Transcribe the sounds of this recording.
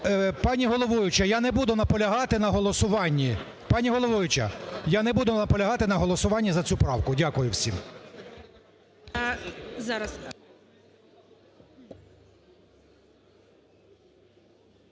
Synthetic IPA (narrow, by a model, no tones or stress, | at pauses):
pɑnʲiɦɔlˠɔʋʊjʊt͡ʃɐjanɛbud̪ʊnɐpɔlʲɐɦɑt̪ɪnɐɦɔlˠɔsʊʋɑnʲːi | pɑnʲiɦɔlˠɔʋʊjʊt͡ʃɐ̰janɛbud̪ʊnɐpɔlʲɐɦɑt̪ɪnɐɦɔlˠɔsʊʋɑnʲːɐzɐt͡sʲupɾɑwkʊdʲakʊjʊwsʲḭm | zɑɾɐs